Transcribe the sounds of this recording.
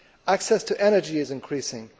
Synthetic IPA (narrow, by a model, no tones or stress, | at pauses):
æksɛstʰɨʔɛñə˞d͡ʒiɪzɨ̃nkʰɹ̥isɪ̃ŋ